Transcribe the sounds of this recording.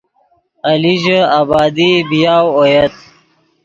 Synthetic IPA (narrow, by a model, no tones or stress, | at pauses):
ɐliʒəabɑːd̪ibijaːwojɐt̪̚